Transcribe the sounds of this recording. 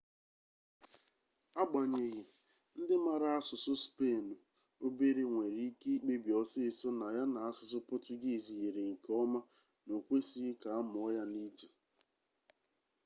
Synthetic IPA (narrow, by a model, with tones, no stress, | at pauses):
a˦ɡ͡ba˨ɲe˨ɣe˨ | n̩˦dɪ˦ma˨ɾa˨a˦sʊ˨sʊ˦spe˦˨no˨ | o˦be˦ɾe˦ŋʷe˨ɾi˦i˦ke˦i˦k͡pe˦bi˨ɔ˨sɪ˦˨sɔ˦na˨ja˦na˨a˦sʊ˨s̬ʊ˦pʊ˦tʊ˦ɡɪ˦˨zi˨ɣe˨ɾe˨ŋ̩˨kɔ˦ma˦ | no˨kʷe˦si˦ka˨a˦mʊ˨ɔ˦ja˦ni˦d͡ʒḁ˨